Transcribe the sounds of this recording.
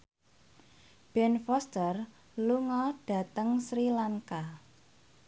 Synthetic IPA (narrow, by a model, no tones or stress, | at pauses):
b̥ɛnfɔst̪ər | luŋɔɖ̥ä̤t̪əŋsɾilaŋka